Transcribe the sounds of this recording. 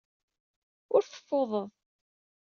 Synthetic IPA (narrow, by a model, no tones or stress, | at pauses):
ʊɾθə̥fːoðˤəðˤ